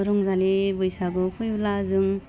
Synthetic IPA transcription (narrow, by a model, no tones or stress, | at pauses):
ɾɔŋzalibɯjsaɡɯkʰujblazɯŋ